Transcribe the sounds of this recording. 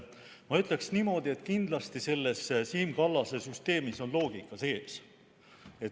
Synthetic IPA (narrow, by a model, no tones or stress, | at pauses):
mɑyt̪ˑle̞ksnimo̞d̪̥ie̞t̪ːˑkind̪̥lɑst̪ise̞lːe̞ssiːmkɑlːɑsesyst̪e̞ːmiso̞nlo̞ːɡ̥ikːˑɑse̞ːs | e̞t̪